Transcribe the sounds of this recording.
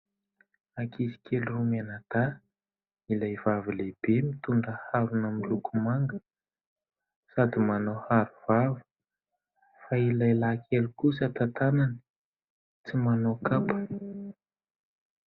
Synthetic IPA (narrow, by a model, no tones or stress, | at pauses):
akizi̥kʲʰelurumanat̪a | ilajvavileb̥emit̪uɳɖ͡ʐəhavunəmilukumaŋɡə | sad̪imanohaɾuv̥avə̥ | failajlakʲʰelukusət̪at̪ananə | t͡simanokapə̥